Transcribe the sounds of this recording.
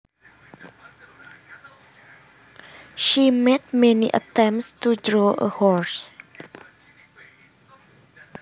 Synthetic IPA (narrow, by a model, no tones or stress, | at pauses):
ʃimɛt̚mɛniʔə̰tɛ̃mstudɹɔʔə̰hɔɹs